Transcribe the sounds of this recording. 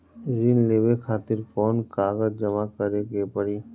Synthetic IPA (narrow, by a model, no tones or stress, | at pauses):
ɾinleːʋekʰaːt̪ɪɾkɔːnkaːɣəzd͡ʒəmakəɾeɡepəɽiː